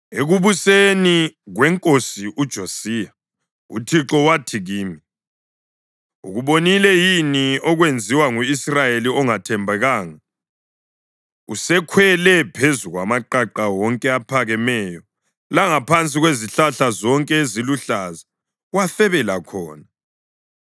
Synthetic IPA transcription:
eɣuβuseniɣwɛŋkʼosiʔud̥ʒ̥ʱosiːa | ṵtʰiǁɔwatʰiɣiːmi | ṵɣuβonilɛjiniɔɣwend͡zʱiwaŋuisrajeliɔŋatʰɛmbʱɛɣaːŋa | usɛkʰwɛlɛpʰezuɣwa̰maǃaǃawɔŋkʼɛapʰaɣɛmɛjɔ | laŋapʰant͡sʼiɣweziɬaɬazɔŋkʼɛeziluɬaza | waθɛβɛlakʰɔːna

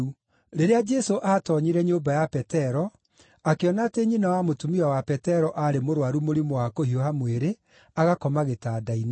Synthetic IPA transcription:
u | ɾeɾead͡ʒɛsoʔaːtɔɲiɾɛɲombajapɛtɛɾɔ | akeɔnaːteɲinawamotumiwawapɛtɛɾɔʔaɾemoɾwaɾumoɾimoakohiɔhamweɾe | aɣakɔmaɣetaːdain

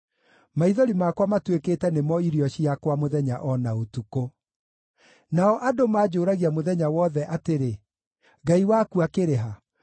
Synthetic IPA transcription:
maiðɔɾimakwamatwekeːtɛnemɔiɾiɔɕiakwamoðɛɲaʔɔnaotuko | naɔʔadomaːd͡ʑoːɾaɣiamoðɛɲawɔðɛʔateɾe | ɡaiwakuakeɾeɦa

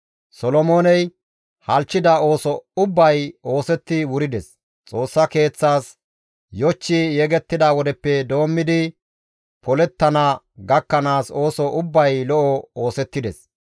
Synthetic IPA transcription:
sɔlɔmoːnɛj | hɐlt͡ʃːɪd̪ɐo̞ːsɔʊbːɐjo̞ːsɛt̪ːɪwʊɾɪd̪ɛs | t͡sʼo̞ːsːɐke̞ːt͡sːaːs | jɔt͡ʃːɪjɛɡɛt̪ːɪd̪awɔd̪ɛpːɛd̪o̞ːmːɪd̪ɪ | pʰɔlɛt̪ːɐnɐ | ɡɐkːɐnaːso̞ːsɔʔʊbːɐjlɔʔɔo̞ːsɛt̪ːɪd̪ɛs

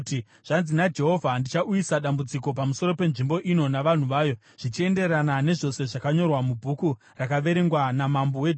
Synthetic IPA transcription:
i | ʐ̥anzinad͡ʒe̞ɦo̞vʱandit͡ʃaʔujisaɗambud͡ziko̞pamuso̞ɾo̞pe̞nʐimbo̞ʔino̞naʋan̤uʋaːjo̞ | ʐ̥it͡ʃie̞nde̞ɾanane̞ʐo̞se̞ʐakaɲo̞rwamubʱuku | rakaʋe̞ɾe̞ŋɡwanamambowe

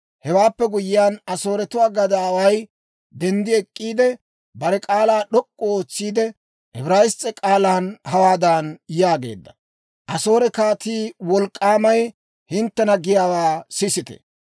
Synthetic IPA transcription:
hɛwaːpːɛɡʊjɪjaːnɐso̞ːɾɛt̪ʊwaːɡɐd̪aːwɐj | d̪ɛnd̪ɪɛkʼːiːd̪ɛ | bɐɾɛkʼaːlaːɗɔkʼːɔoːt͡sːiːd̪ɛ | ʔɛbɾajɪst͡sʼːɛkʼaːlaːnhɐwaːd̪aːnjaːɡe̞̰ːd̪ːɐ̥ | ʔɐso̞ːɾɛkaːt̪iːwɔlkʼːaːmɐj | hɪnt̪ːɛnɐɡɪjaːwaːsɪsɪt̪ɛ̥̰

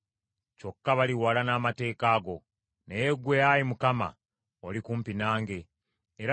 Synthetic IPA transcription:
co̞kːaβaliwaːlanaːmate̞ːkaːɡo̞ | nejeɡweajimukama̰ | olikuːmpinaːŋɡe̞ː | ɾa

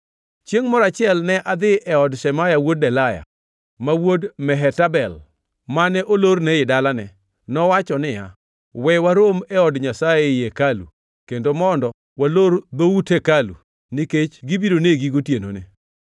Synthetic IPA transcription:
t͡ʃjeŋmɔɾat͡ʃɪɛlnɛʔad̪ɪʔɛɔdʃɛmajawod̚dɛlaja̰ | mawodmɛɦɛtabɛl | manɛʔolornɛɪdalanɛ | nɔwat͡ʃɔnɪja̰ | wɛwaɾomɛɔdɲasajejekalṵ | kendomɔndɔ | waloɾd̪owutʰekalṵ | niket͡ʃɡibidoneɡiɡotjeno̰nḛ

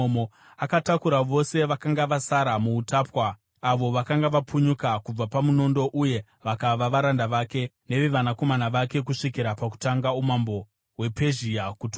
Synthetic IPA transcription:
mo | akatakuɾaʋo̞se̞ʋakaŋɡaʋasaɾamuːtapwaː | ʋo̞ʋakaŋɡaʋapuɲukakub͡vapamuno̞ndo̞ʔuje̞ | ʋakaʋaʋaɾandaʋake̞ | ne̞ʋeʋanako̞manaʋake̞k̬uʂikiɾapaku̥taŋɡaumambo̞ | we̞pe̞ʒiakutː

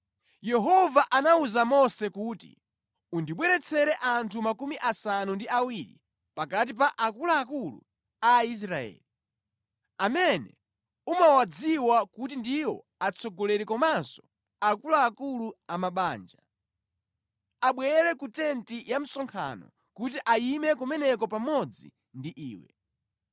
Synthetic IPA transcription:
jɛɦɔvaʔanauzamɔsɛkuːtḭ | undiɓwɛɾɛt͡sʰɛɾɛʔantʰumakumiʔasanundiawiɾḭ | pakat̬ip̬aʔakulaːkulṵ | ais̬ɾaɛ̰ːli | amɛnɛ̰ | umawad͡ziwakut̬indiwɔ | at͡sʰɔɡɔlɛɾɛkɔmasɔ̥ | akulaːkuluamaɓaːnd͡ʒa | aɓwɛɛɾɛkutɛntijam̩sɔŋkʰa̰nɔ̰ | kut̬iʔajimɛkumɛnɛkɔpamɔd͡zḭ | ndiʔḭːwɛ̰

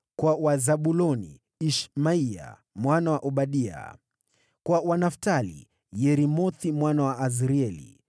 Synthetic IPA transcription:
kwawazaɓulɔnḭ | iʃmaia̰ | mwanawaʔuɓaɗia̰ | kwawanaftalḭ | jɛɾimɔθimwanawaʔːziɾiɛlḭ

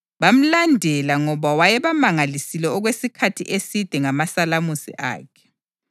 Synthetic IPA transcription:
βam̩landʱɛlaŋɔβawajɛβamaŋalisilɛɔɣwesikʰatʰḭʔesid̥ʱɛŋamasalamusḭʔa̰ːkʰɛ̥

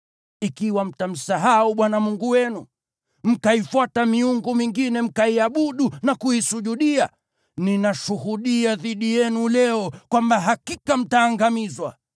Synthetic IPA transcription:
ikiwam̩tam̩saɦauɓwanamuŋɡuwɛnu | m̩kaifwatamiuŋɡɔmiŋɡinɛm̩kaiaɓuɗunakuisuʄuɗia | ninaʃuhuɗiaðiɗijɛnulɛɔkwambaɦakikam̩taːŋɡamizwa̰

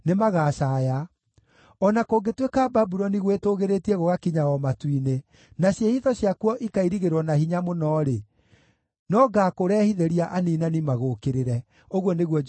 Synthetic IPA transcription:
nemaɣaːʃaːja | ɔnakoːɡetwekaːbabuɾɔniɣwetoɣeɾetiɛɣoɣakiɲawɔmatwine | naɕjehiðɔɕjakuɔʔikaiɾiɣeɾwɔnahiɲamonɔɾe | nɔɡaːkoɾɛːhiðeɾiaʔaniːnanimaɣokeɾeɾɛ | oɣwɔneɣwɔ

